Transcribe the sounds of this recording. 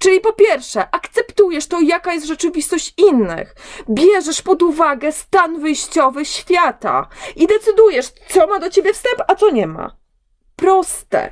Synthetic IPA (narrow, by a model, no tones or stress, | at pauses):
t͡ʂɘlʲipɔpʲjɛɾfʂɛʔakt̪sɛpt̪ujɛʂt̪ɔjakajɛst̪ʐɛt͡ʂɘvʲist̪ɔɕt͡ɕinːɘ̰xbʲjɛʐɛʂpɔd̪uvaɡɛst̪anvɘjɕt͡ɕɔvɘɕfʲjat̪a̰id̪ɛt̪sɘd̪ujɛʂt̪sɔmad̪ɔt͡ɕebʲjɛfst̪ɛmpat̪sɔɲɛma̰ | pɾɔst̪ɛ̰